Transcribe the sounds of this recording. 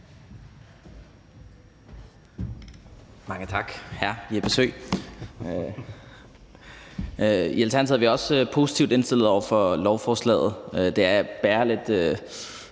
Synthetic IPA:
mɑ̈ŋət͡sʰɑ̈ɡ̥hæɐ̰iæb̥e̝sø̰ɪ | ielt͡sʰæɐn̩sʰhðɐʋiɒ̽søpʰo̝si̥t͡sʰiʊd̥e̝nsd̥e̝l̰ð̩ˠɒʊ̰ɐfɒ̽lɒʊfɒːslɛ̰ːð̩ˠød̥e̝æɐb̥æːɐle̝d̥ø

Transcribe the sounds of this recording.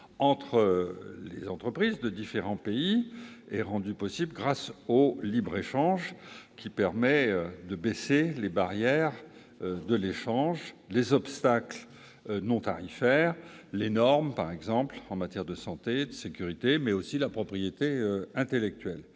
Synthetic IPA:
ɑ̃t̪χəllḛzɑ̃t̪χəpχizd̪əd̪ifeʁɑ̃peiɛʁɑ̃d̪ypɔsiblɡʁasolibʁeʃɑ̃ʒkʲipɛʁmɛød̪əbɛselebaʁjɛʁ | d̪əleʃɑ̃ʒlezɔpst̪akl | nɔ̃t̪aʁifɛʁlenɔʁmpaʁɛɡzɑ̃plɑ̃mat̪jɛʁd̪əsɑ̃t̪ed̪əsekʲyʁit̪emɛosilapχɔpχijet̪eøɛ̃t̪elɛk̚t̪ɥɛl

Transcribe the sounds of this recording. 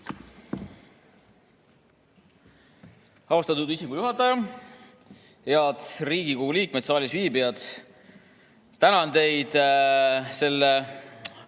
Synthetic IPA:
ɑust̪ɑt̪ud̪isikujuɦɑt̪ːˑɑjɑ | eɑd̪riːɡ̥ikoɡuliːk̚met̪sɑːlʲisviːbijɑd̪̥ | t̪ænɑnt̪e̞jd̪̥ | se̞lːe

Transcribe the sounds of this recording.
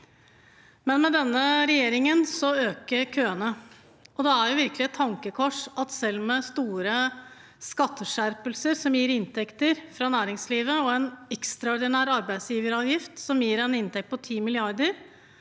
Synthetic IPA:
mɛnmɛd̪ɛnːəɾɛjeːɾɪŋənsɔøːkəɾkʰøːənə | ʔɔd̪ɛæɾjʊʋɪɾkəlɪɛt̪ʰːɑŋkəkʰɔʂɑt̪sɛlːmɛst̪uːɾə | skɑt̪ʰːəʂæɾpəlsəɾsɔmjiːɾɪnt̪ʰɛkt̪əɾfɾɑnæːɾɪŋsliːʋəɔɛnɛkst̪ɾɑɔɾd̪ɪnæːɾɑɾbæɪsjiːʋəɾɑːʋjɪft̪sɔmjiːɾɛnɪnt̪ʰɛk̚t̪̚pʰɔt̪ʰiːmɪlɪɑɾd̪əɾ

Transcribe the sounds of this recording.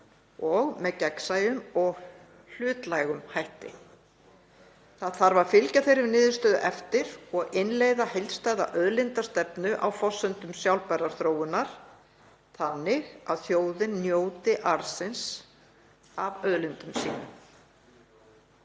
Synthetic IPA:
ɔɣmɛðcɛksajʏmɔɣ | l̥ʏːt̪lajɣʏmhajht̪ɪ̰ | θaðθaɾvaɾ̥fɪlcaθejɾɪɾnɪːðʏst̪œːðʏ̰ʔɛft̪ɪɾ̥ɔɣɪnlejðahejlst̪aːjða̰ʔœðlɪnt̪ḁst̪ɛpnʏʔawfɔsːʏnt̪ʏmsjawlpɛraɾ̥θɾoːwɪnaɾ̥ | θanːɪɣa̰ðθjoːwðɪnːjoːwt̪ɪʔaɾ̥sɪns | avœðlɪnt̪ʏmsḭːnʏ̰

